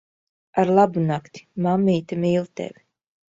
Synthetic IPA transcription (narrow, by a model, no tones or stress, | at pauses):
aɾlˠabunakt̪i̥mamːiːt̪amiːlˠt̪ɛ̰vʲ